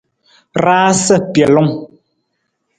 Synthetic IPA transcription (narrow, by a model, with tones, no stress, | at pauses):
ɾaː˦sə˦pjɛ˨lɔ˦ŋ